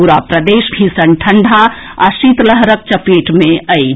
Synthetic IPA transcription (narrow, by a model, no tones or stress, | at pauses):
uɾapɾəd̪eːʃɡʱisənʈʰəɳɖʱa | a̰sit̪ləɦɾək̚t͡ʃəpeʈmẽəj